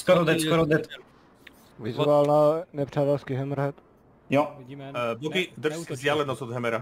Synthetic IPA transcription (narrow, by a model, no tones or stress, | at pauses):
skoɾod̪ɛskoɾod̪ɛt̪ɛl | vɪzalnanɛpr̝̥aːt̪ɛlskiɦɛmɾɦɛt̪ | jo | bokid̪rskzd̪ʲjaːlɛnɔsod̪ɦɛmɛɾa